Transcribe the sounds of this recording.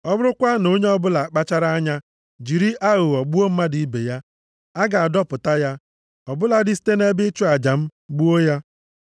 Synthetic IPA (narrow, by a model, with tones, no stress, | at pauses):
ɔ˦bʊ˦ɾʊ˦kʷa˦no˦ɲe˦ɔ˦bʊ˦la˨k͡pa˦t͡ʃa˦ɾa˦ɲa˦ | d͡ʒi˨ɾi˦ʔa˦ɣʊ˨ɔ˨ɡ͡bu˦o˦m̩˦ma˦di˨i˦bḛ˨ja˦ | a˦ɡa˨a˨dɔ˦pʊ˨ta˦ja˦ | ɔ˨bʊ˦la˨dɪ˦si̥˦te˦ne˦bɪ˦t͡ʃu˦a˨d͡ʒa˨m̩˦ɡ͡bu˦o˦ja˦